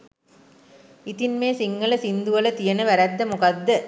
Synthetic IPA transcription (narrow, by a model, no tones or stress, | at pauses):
it̪inmeːsiŋɡɐlɐsind̪uʋɐlɐt̪ijɐnɐʋæɾæd̪ːɐmukɐd̪ːə